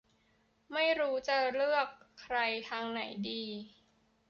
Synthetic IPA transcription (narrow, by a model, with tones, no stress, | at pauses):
ma˥˩jɾuː˦˥t͡ɕa˧lɯ˥˩əkʰːɾa˧jt̪ʰaː˧ŋna˩˦jdiː˧